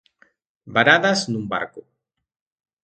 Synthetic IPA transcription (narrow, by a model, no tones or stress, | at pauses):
baɾaðɐznũmba̰ɾkʊ